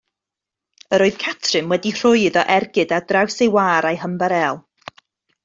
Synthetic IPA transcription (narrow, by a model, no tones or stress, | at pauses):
əɾoːɨð̥kʰatʰrɨmwɛdir̥ʊɨðɔʔɛrɡɨdadrawsejwaːɾajɦəmbaɾɛlˠ